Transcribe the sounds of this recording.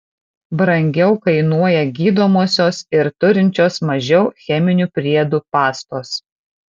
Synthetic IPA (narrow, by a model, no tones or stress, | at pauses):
bɾɐŋʲɡʲɛʊkɐɪnuɔjɛɡʲiːd̪oːmoːsʲoːsɪɾt̪ʊɾʲɪnʲt͡ʃʲoːsmɐʒʲɛʊxʲɛmʲɪnʲupʲɾʲiɛd̪uːpɑːst̪oːs